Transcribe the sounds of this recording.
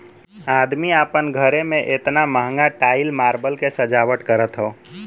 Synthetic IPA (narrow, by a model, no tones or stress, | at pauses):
ad̪miapənɡʱəɾemẽʔet̪naməɦəŋɡaʈaɪlmaɾbəlkesəd͡ʒawəʈkəɾət̪ɦəo